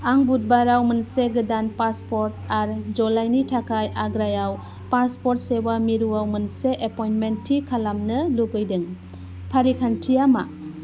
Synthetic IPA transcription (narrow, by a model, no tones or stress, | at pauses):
aŋbut̚baɾawmɯnseɡɯdanpaspoɾtaɾd͡ʒɔlajnitʰakʰajʔaɡɾajaw | paɾspɔɾt̚sewamiɾuawmɯnseʔepɔjnmentʰːikʰalamnɯluɡɯjdɯŋ | pʰaɾikʰantʰijama̰